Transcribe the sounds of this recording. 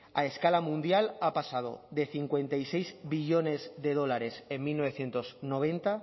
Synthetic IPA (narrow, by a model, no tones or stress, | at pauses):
a̰eskalamũnd̪jalapasað̞o̰ðe̞θiŋkwe̞nt̪ajsejzβiʎone̞zðe̞ð̞o̞laɾe̞semmːilnoβ̞eθje̞nt̪oznoβ̞e̞nt̪a